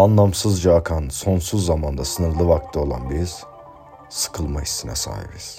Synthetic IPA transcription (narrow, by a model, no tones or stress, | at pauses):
anlˠamsɯzd͡ʒaːkʰanso̞nsuzːamand̪asɯnɯɾlˠɯvak̚t̪ʰɯo̞lˠa̰nbiz̥ | sɯ̥kʰɯlˠmaist̪ʰinɛ̰sa̰ːhḭbiz̥